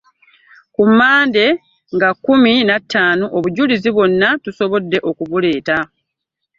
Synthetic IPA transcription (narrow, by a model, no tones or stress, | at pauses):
kumːaːnde̞ | ŋɡakːuminatʰːaːnoʔoβuɟuliziβwo̞nːatuso̞βo̞dːe̞ʔo̞kuβule̞ːta